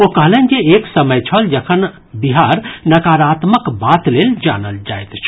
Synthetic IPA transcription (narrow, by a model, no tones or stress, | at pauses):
okəɦlnkieksəməjt͡ʃʰəld͡ʒəkʰən | biɦaɾnəkaɾat̪məkbat̪leld͡ʒa̰nəld͡ʒa̰jt̪t͡ʃʰ